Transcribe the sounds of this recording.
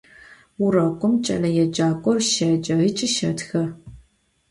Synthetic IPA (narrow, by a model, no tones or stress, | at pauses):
ʊrɐkʷʼʊmt͡ʃʼɐ̰lɐjɛd͡ʒaːkʷʼɔrʃɐd͡ʒʼɐʁit͡ʃʼɪʃɐtxɐ